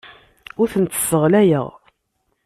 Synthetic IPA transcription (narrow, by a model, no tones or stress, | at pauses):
ʊɾθənt̪ːə̥səʁlæjə̰ʁ